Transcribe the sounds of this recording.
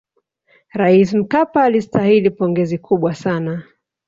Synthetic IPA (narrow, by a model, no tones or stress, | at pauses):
ɾais̬m̩kapaːlistahilipɔŋɡɛzikʰuɓwasana